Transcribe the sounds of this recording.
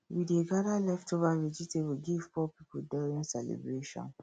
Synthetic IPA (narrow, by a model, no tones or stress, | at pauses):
wideɡaɾalɛftʰovaved͡ʒitewiɡiv̥fɔpipodɔɹĩnsɛlḛbɹeʃɔ̰̃n